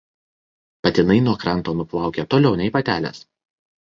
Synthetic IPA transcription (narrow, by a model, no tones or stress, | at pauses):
pɐt̪ʲɪnɐɪnuɔkɾɐˑnˑt̪oːnʊplˠɑˑʊkʲet̪oːlʲɛʊnʲɛɪpɐt̪ʲæːlʲḛːs